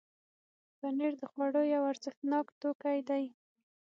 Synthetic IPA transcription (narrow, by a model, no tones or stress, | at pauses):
baneɾd̪əxwaɽojawaɾzɪxt̪nɑkt̪okajd̪aj